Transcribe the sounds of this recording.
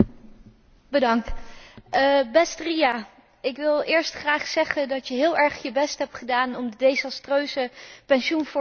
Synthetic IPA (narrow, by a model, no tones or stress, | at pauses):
bədɑŋt | bɛstrija | ɪkʋɪlˠʔɪːɹstχraːχsɛχəndɑtjəɦɪːlˠɛɹχjəbɛstɦɛp̚tχədaːnɔmdədejzɑstrøːsəpɛnʃunfʊ